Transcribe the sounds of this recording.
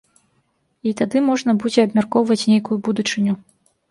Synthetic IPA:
it̪ad̪ɨmɔʐnɐbud͡zʲɛɐbmʲarkɔwvɐt͡sʲnʲejkujubud̪ut͡ʂɨnʲu

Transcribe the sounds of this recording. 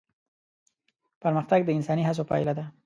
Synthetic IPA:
paɾməxt̪aɡ̚d̪əɪnsɑniɦas̬opa̰ɪlad̪a

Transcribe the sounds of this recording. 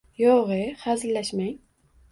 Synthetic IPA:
jɒʁɨhazɪlːaʃmaŋ

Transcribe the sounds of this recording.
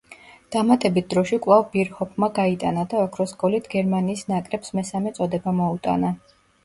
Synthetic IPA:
d̪̥amat̪ʼɛbit̪̚ʰd̪ɾɔʃikʼlˠavbiɾhɔpʰmaɡait̪ʼanad̪aɔkʰɾɔskʼɔlit̪ʰɡɛɾmaniːsnakʼɾɛpsmɛsamɛt̪sʼɔd̪ɛbamɔut̪ʼa̰na

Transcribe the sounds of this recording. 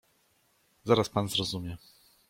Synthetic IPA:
zaɾaspanzɾɔzumʲjɛ

